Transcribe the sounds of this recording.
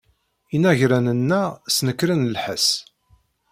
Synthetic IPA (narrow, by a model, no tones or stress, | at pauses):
inæʝɾænənːæsnəkːɾənlħəs